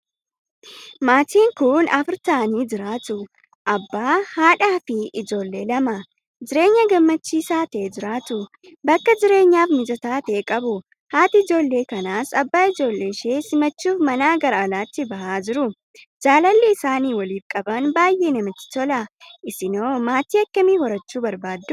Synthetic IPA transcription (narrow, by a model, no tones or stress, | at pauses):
maːt̪iːŋkʊnɐfɪɾt̪aːniːd͡ʒɪɾaːt̪ʊ | ʔɐbːaːhaːᶑaːfɪʔɪd͡ʒo̞ːlːe̞ːlɐmɐ | d͡ʒɪɾe̞ːɲːɐɡɐmːɐt͡ʃːiːsaːt̪ɛeːd͡ʒɪɾaːt̪ʊ | bɐkːɐd͡ʒɪɾe̞ːɲːaːfnɪd͡ʒɐt̪aːt̪eːkʼɐbʊ | haːt̪ɪɪd͡ʒo̞ːlːe̞ːkɐnaːsɐbːaːɪd͡ʒo̞ːlːe̞ːʃe̞ːsɪmɐt͡ʃːuːfmɐnaːɡɐɾɐːlaːt̪ːɪbɐhaːd͡ʒɪɾʊ | d͡ʒaːlɐlːɛɪsaːniːwɐliːfkʼɐbɐnbaːjʔe̞ːnɐmɪt̪ːɪ̥t̪ɔlɐʔɪsɪno̞ːmaːt̪iːɐkːɐmiːhɔɾɐt͡ʃːuːbɐɾbaːd̪ːʊ